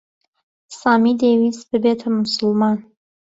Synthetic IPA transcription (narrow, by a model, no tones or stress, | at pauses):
sɑːmid̪eːwisbɨbet̪ʰɐmʊsʊlmɑːn